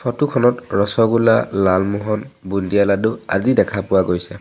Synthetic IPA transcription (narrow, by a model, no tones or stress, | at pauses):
fʰɔtukʰɔnɔtɹɔsɔɡulalalmuɦɔnbundijaladʊa̰zidɛkʰapʊwaɡojsɛ